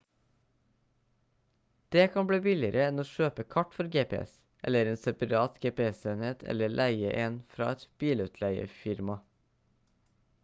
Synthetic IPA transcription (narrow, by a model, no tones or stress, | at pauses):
d̪̥eːkʰɑmbɽiːbɪlɪəɾʔəɛnoːʃøːpəkʰɑʈfɔɾɡeːpɛ̰ɛ̰s | ʔɛ̰ləɾeːnsɛpɑɾɑːt̪ɡeːpeɛseːneːt̪ʰɛ̰ləlʔæɪəʔeːnfɾɑ̰ːɛt̪b̥iːlʉːt̪ʰlæɪə̰fɪɾmɑ